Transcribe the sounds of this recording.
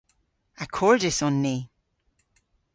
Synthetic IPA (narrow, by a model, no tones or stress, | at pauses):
akʰɔɹdɪsɔnːi